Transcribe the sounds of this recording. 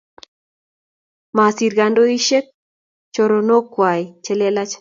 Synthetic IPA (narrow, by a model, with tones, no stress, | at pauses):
ma˨si˨ɾɡa˨ndo˦i˦ʃe˦k̚ | t͡ʃɔ˨ɾo˨no˦kwa˨i˨t͡ʃɛ˦lɛ˦la˦t͡ʃ